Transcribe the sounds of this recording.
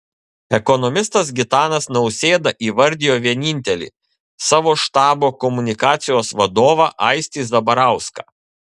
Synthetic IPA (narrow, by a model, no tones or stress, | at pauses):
ɛkɔnɔmʲɪst̪ɐs̬ɡʲɪt̪ɑːnɐsnɐʊsʲeːd̪ɐʔiːʋɐɾʲd̪ʲɪjoːʋʲiɛnʲɪːnʲt̪ʲɛlʲḭː | sɑːʋoːʃt̪ɑːboːkɔmʊnʲɪkɑːt̪sʲɪjoːsʋɐd̪oːʋɑːʔɐɪsʲt̪ʲiːs̬d̪ɐbɐɾɑˑʊskɑ̰ː